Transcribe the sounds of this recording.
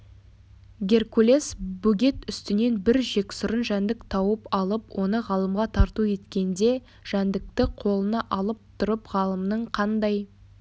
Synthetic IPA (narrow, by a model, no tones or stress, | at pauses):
ɡʲe̞rkulʲe̞sbuɡʲe̞t̪ʏst̪ɪne̞nbɪɾʒe̞kʲsʊɾənʒænd̪ɪkt̪ʰɑwəpɑlˠəpwʔo̞nəʁɑlˠəmʁɑt̪ʰɑɾt̪ue̞t̪kʲe̞nd̪e̞ | ʒ̥ænd̪ɪk̚t̪ɪqʰo̞lˠənəʔɑlˠəp̚t̪ʰʊɾəpʁɑlˠəmnəɴqʰɑnd̪ɑj